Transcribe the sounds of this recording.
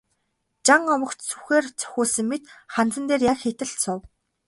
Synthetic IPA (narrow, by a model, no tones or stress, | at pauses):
t͡ɕaŋɔmɞ̆kt͡ɕt͡sʰuxeːrt͡sʰœ̥xʲuːɮsɘ̆ŋːet̪χant͡sə̆nt̪eːrjakxet̪ɘ̆ɬt̪sʊw